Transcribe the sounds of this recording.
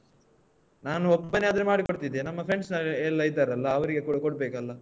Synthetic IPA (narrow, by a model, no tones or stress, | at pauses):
naːnuɔbːɐnːead̪ɐɾemaːɽikoɽt̪id̪enɐmːɐpʰɾe̞ɳɖsnɐlːɐjid̪aːɾɐlːɐːʋɐɾiɡe̞kuɽɐkɔɽ̚beːkɐlːɐ